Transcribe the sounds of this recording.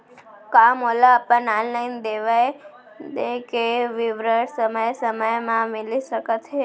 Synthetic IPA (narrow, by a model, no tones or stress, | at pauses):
kamolapənanlajnd̪eʋaj | d̪ekeʋiʋɾəɽsəməjsəməjmãmiliʃəkət̪ʰe